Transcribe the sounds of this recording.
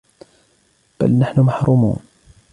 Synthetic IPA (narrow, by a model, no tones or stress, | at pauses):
b̥a̰lnaħnʊmaħɾuːmṵːn